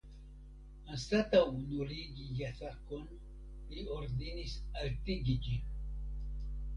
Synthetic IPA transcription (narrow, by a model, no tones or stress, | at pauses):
anstatawnuɾiɡijatakon | lioɾd̪inisaltiɡid͡ʒin